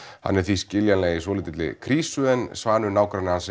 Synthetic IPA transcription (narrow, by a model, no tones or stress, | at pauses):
ha̰nːɛɾ̥θiscɪljanlɛːɣisvɔːliːt̪ɪt̪lɪ̰kʰɾiːsʏðɛnsvaːnʏnaːwkɾanɪhansɛ